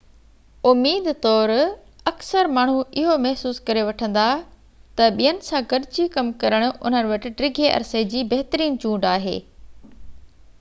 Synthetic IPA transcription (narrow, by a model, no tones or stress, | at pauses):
ʊmːiːd̪t̪ɔːɾɐksəɾmaːɳ̤uɪɦomɛɦsuːskɐɾeʋɐʈʰə̃nd̪a | t̪ɐɓijənɪ̆sãɡɐɾɪd͡ʑikɐmkɐɾəɽ̃ʊ̆ʔʊ̰n̤ənʋɐʈɪ̆ɖɾɪɡʱeʔɐ̰ɾsed͡ʑiːbɐɦɪt̪ɾiːnt͡ɕũːɳɖaːɦḛː